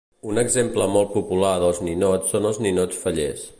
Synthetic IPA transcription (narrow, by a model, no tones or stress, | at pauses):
unəɡzempləmɔl̚ˠpupulaðəlˠzninot͡sːonəlˠzninot͡sfəʎḛs